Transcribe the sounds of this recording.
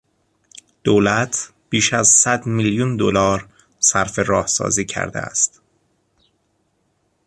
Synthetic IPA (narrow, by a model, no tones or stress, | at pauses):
d̪̥oːlæt̪ʰ | b̥iːʃæzsæd̪miljund̪olɒːɾ | sæɾfe̞ɾɒːhsɒ̰ːziːcʰæ̰ɾd̪eæ̰st̪